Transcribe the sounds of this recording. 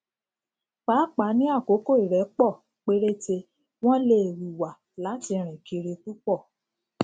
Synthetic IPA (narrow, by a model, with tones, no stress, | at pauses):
k͡pa˨˦k͡pa˨˦nĩ˦a˦˨ko˨˦ko˦˨i˨ɾɛ˨˦k͡pɔ˦˨ | k͡pe˦ɾe˦te˧ | w̃ɔ̃˦le˦˨wi˨wa˨ | la˨˦ti˧ɾ̃ĩ˨ki˧ɾe˧tu˦k͡pɔ˦˨